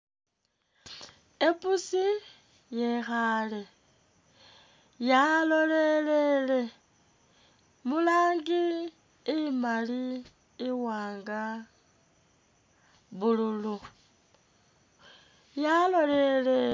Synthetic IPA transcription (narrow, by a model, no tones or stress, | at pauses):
epusi | je̞xale | jalolelele | mulaːŋɡiː | maliː | waːŋɡa | βululu | jalo̞lele